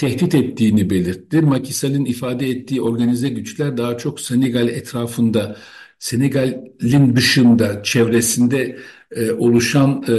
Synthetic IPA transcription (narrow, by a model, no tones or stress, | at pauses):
t̪ʰɛht̪it̪ɛt̪ʰːiːnibe̞lʲiɾt̪ʰːimacʰisalʲˠɯnifaːd̪ɛɛt̪ːiːo̞ɾɡanizɛɟyt͡ʃlʲæɾd̪aɦat͡ʃʰo̞kseneɡalʲɛt̪ɾaːfɯnd̪a | se̞neɡalʲːind̪ɯʃɯnd̪at͡ʃʰɛvɾesind̪ɛ | o̞lˠuʃan